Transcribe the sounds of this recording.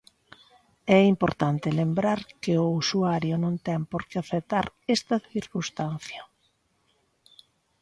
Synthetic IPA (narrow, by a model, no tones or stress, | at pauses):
ɛimpoɾt̪ant̪ɪlembɾaɾkɪʊusuaɾjʊnõnt̪ɛŋpoɾkɪaθet̪aɾɛst̪ɐθiɾkust̪an̟θjɐ